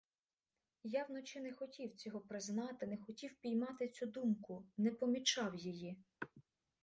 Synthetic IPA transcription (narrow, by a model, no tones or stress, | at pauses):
jɑwnɔt͡ʃɪnɛxɔtʲiwt͡sʲɔɦɔpɾɪznɑt̪ɪnɛxɔtʲiwpʲijmɑt̪ɪt͡sʲud̪umkʊnɛpɔmʲit͡ʃɑwjiji